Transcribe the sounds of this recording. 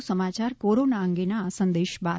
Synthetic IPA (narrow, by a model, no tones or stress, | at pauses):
səmat͡ʃaɾkoɾonaəŋɡenasənd̪eʃba